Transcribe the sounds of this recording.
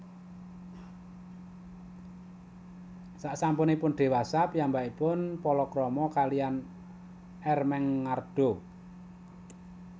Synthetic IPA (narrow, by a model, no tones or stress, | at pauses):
saʔsampʊnipʊnd̪̥e̤wasapijambaʔipʊnpɔlɔkɾɔmɔkalijan | ɛrmɛŋːard̪̥o